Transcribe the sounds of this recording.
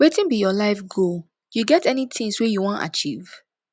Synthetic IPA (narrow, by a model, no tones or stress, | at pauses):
wetĩnbijɔlaɪfɡo | juɡɛtɛnitʰɪ̃ŋswijuwɔ̃nta̰t͡ʃiv̥